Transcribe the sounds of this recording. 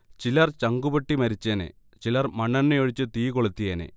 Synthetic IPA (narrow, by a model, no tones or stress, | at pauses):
t͡ɕilɐrt͡ɕɐŋɡubɐʈːimɐɾit͡ɕːaːnḛ | t͡ɕilɐrmɐɳːɐnːejoɻit͡ɕːɨt̪iːkoɭut̪ːijaːnḛ